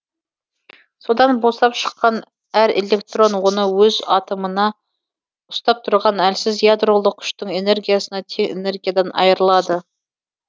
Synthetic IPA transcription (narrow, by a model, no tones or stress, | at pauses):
so̞d̪ɑnboslˠɑpʃə̥qːɑn | æɾelʲe̞kt̪ro̞nwo̞nəwɵzɑt̪əmənɑ | ʊ̥st̪ɑp̚t̪ʰʊɾʁɑnælsɪzjad̪ro̞lˠəq̚kʲʰʏ̥ʃt̪əɴe̞ne̞ɾɡʲijasənɑt̪ʰe̞ŋḛne̞ɾɡʲijad̪ɑnʔɑ̰jəɾəlˠɑd̪ə